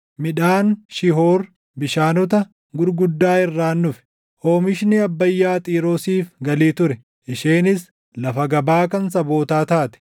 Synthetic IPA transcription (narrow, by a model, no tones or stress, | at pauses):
mɪᶑaːnʃɪɦoːɾ | bɪʃaːnɔt̪ɐ | ɡʊɾɡʊd̪ːaːɪrːaːnːʊf | ho̞ːmɪʃnɪɐbːɐjːaːt̪ʼiːɾoːsiːfɡɐliːt̪ʊɾɛ | ʔɪʃeːnɪs | lɐfɐɡɐbaːkɐns̬ɐbo̞ːt̪aːt̪aːt̪ɛ̥